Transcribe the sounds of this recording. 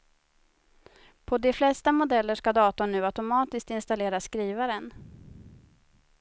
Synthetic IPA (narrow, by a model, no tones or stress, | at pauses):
pʰɔd̪ɛflɛst̪amʊd̪ɛlːəʂkad̪ɑːt̪ɔɳʉ̟ːat̪ʊmɑːt̪ɪsk̚t̪ɪnst̪aleːɾaskɾiːvaɾən